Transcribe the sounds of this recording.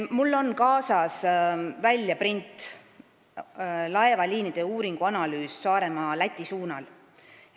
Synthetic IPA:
mulːo̞nkɑːsɑsvælʲjɑprint̪ˑ | lɑe̞vɑliːnid̪̥e̞uːɾiŋɡ̥uɑnɑlyːsːɑːɾe̞mɑlæt̪ʲˑːisuːnɑl

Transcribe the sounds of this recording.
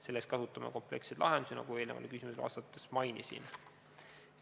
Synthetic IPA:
se̞lːest̪kɑsut̪ːˑɑmḛko̞mple̞kset̪lɑɦend̪u̥sinɑ̰ɡ̥ue̞ːlnevɑ̰lkysimuselɑ̰ːst̪ɑt̪ːˑesmɑjnisḭn

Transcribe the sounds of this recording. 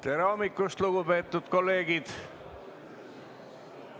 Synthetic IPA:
t̪eɾɑomikːˑust̪luɡupe̞ːt̪ːˑud̪̥ko̞lːe̞ːɡ̥id̪̥

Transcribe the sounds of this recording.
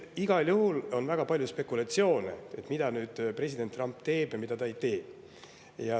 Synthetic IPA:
iɡ̥ɑljuhulo̞nvæɡ̥ɑpɑlʲjuspe̞kːˑulɑt̪sio̞ːnḛet̪ːˑmid̪̥ɑnyːd̪̥pre̞sʲid̪̥e̞nt̪ːˑrɑmpt̪e̞ːb̥jɑmid̪̥ɑt̪ɑejt̪e̞̥ː | jɑ

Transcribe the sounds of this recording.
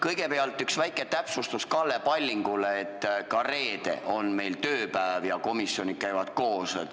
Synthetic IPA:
kɤjɡ̥e̞peɑlt̪ˑːyksvæjkːˑe̞t̪æpsust̪uskɑlːepɑlʲːiŋɡ̥uleːt̪ːˑkɑre̞ːd̪̥e̞̰ʔo̞nme̞jlt̪øːpævjɑko̞misːjo̞nikæjvɑt̪̚ko̞ːsḛt̪

